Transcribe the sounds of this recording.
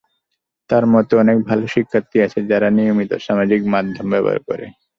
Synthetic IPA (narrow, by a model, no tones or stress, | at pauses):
t̪aɾmɔt̪oɔnek̚bʱaloʃikʰːat̪ːiat͡ɕʰed͡ʑaɾanijomit̪o̰ʃamad͡ʑikmad̪ʱːombɛba̰ɾkɔ̰ɾḛ